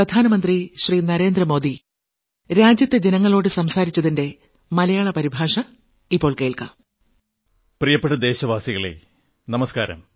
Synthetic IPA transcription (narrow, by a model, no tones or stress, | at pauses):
rɐd̪ʱaːnɐmɐnd̪riɕriːnɐɾe̞ːnd̪rɐmo̞ːd̪i | ɾaːd͡ʑjɐt̪ːed͡ʑenɐŋːɐɭo̞ːɽɨsɐmsaːɾit͡ɕːɐðinde̞ | mɐlɐjaːɭɐpɐɾibʱaːʂɐ | ipːo̞ːɭke̞ːɭka̰ | prijɐpːeʈːɐd̪e̞ːɕɐʋaːsiɣɐɭḛ | nɐmɐskaːɾɐ̰m